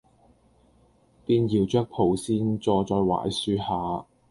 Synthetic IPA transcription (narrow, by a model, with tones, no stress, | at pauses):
piː˧njiː˨˧wt͡ʃœː˥k̚pʰo˨˩wsiː˥nt͡sɔː˧t͡sɔː˧jwa̰ː˨˥jsyː˧haː˨˧